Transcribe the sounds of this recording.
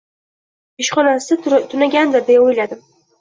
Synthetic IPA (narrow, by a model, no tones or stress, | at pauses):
eʃχɒnasɪt̪ʰʊnaɡʲand̪ɪɾd̪ejojlad̪ɪ